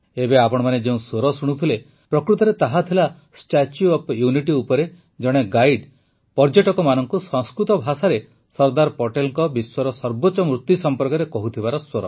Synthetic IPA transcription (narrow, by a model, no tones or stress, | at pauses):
ebeapɔɽ̃ɔmaned͡ʒeũswoɾɔsuɽ̃ut̪ʰile | pɾɔkɾut̪ɔɾet̪aɦat̪ʰila | sʈat͡ʃuɔpjuniʈiupɔɾe | d͡ʒɔɽ̃eɡajɖ | pɔɾd͡ʒeʈɔkɔmanɔŋkusɔ̃ŋskɾut̪ɔbʱasaɾe | sɔɾd̪aɾpɔʈelŋkɔbiswɔɾɔsɔɾbot͡ʃɔmɾut̪jusɔmpɔɾkɔɾekɔɦut̪ʰibaɾɔswoɾɔ